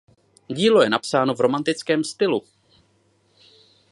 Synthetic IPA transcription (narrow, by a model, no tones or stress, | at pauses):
ɟiːlo̞jɛnapsaːno̞vɾo̞mant̪ɪt͡skɛːmst̪ɪlu